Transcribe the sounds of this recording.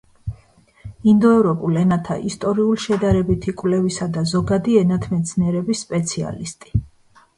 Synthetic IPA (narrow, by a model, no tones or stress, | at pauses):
ind̪ɔɛvɾɔpʼulɛnat̪ʰa̰ʔist̪ʼɔɾiulʃɛd̪aɾɛbit̪ʰikʼwlɛvisad̪azɔɡad̪iɛnat̪ʰmɛt̪sʰniɛɾɛbisːpʼɛt̪sʰia̰list̪ʼi̥